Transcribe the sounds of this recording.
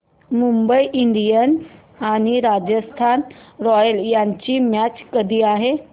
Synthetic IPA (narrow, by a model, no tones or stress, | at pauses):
mumbəiʔiɳɖijəns | aɽ̃iɾad͡ʑəst̪ʰanɾɔjəljaɲt͡ɕiːmæt͡ɕkəd̪ʱiːaɦe